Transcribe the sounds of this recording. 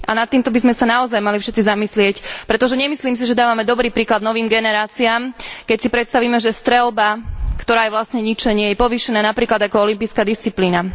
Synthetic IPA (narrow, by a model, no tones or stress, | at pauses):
anat̪ːiːmt̪ɔbizmɛsanaɔzajmalifʃɛt̪t͡sizamislɪɛcpɾɛt̪ɔʒɛɲɛmisliːms̬iʒɛd̪aːʋamɛd̪ɔbɾiːpɾiːklad̪nɔʋiːmɡɛnɛɾaːt͡siaːmkɛcsipɾɛt̪st̪aʋiːmɛʒɛst̪ɾɛlbakt̪ɔɾaːjɛʋlasɲɛɲit͡ʃɛɲɪɛjɛpɔʋiʃɛnaːnapɾiːklad̪akɔɔlimpiskaːd̪ist͡sipliːna